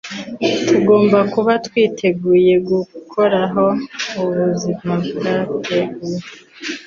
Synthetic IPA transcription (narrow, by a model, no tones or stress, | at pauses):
tuɡo̞ːmbakuβatwiːtʰe̞ɡuːje̞ɡukʰo̞ɾaɦo̞uβuzimabɡaeɡu